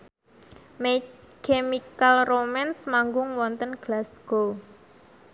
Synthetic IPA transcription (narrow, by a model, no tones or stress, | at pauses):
me | kemikalromɛnsmaŋɡʊŋwɔnt̪ənɡ̥lasɡ̥o